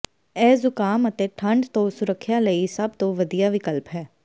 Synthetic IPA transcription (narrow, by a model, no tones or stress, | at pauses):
ɛːzʊkaːmət̪eːʈʰə̃ɳɖt̪oːsʊɾəkʰːjaːləisəb̚t̪õːʋəd̪ijaːʋɪkəlpɦɛː